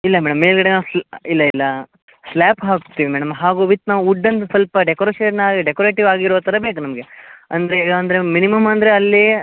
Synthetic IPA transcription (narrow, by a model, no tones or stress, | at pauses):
ilːɐmɛːɽɐmːe̞ːlɡɐɽenaːʋusilːɐilːɐ | slaːpɦaːkt̪ːiːʋimɛːɽɐmɦaːɡuːʋit̪ːnaːʋuuɖːɐnt̪ɐsɐlpɐɖekoɾeːʃeɾnaːɡiɖekoɾeːʈiʋaːɡiɾoːt̪ʰɐɾɐbeːkunɐmɐɡeɐnd̪ɐɾeeːɡaɐnd̪ɐɾe̞minimɐmɐnd̪ɐɾe̞ɐlːi